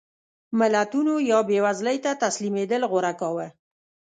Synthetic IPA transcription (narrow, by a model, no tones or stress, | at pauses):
mɪlat̪unojɑbewazləjt̪at̪aslimed̪əlɣʊɾakɑwə